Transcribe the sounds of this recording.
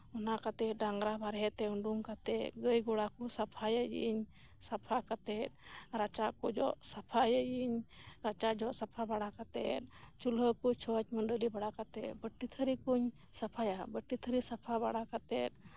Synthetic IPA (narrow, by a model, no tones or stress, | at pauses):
ɔnakat̪ɛt̪̚ɖaŋɡɾabʱaɾɦɛt̪ɛuɳɖuŋkat̪ɛt̪ɡəjɡɔɽakɔsapʰajəjḭɲ | sapʰakat̪ɛt̪̚ɾat͡ʃaʔkɔd͡ʒɔʔsapʰajəjiɲɾat͡ʃad͡ʒɔʔsapʰabaɽakat̪ɛ̰t̪̚t͡ʃuləkut͡ʃʰɔt͡ʃmənɖolibaɽakat̪ɛt̪̚bəʈːit̪ʰəɾikuɲ | sapʰajabəʈːit̪ʰəɾisapʰabaɽakat̪ɛt̪̚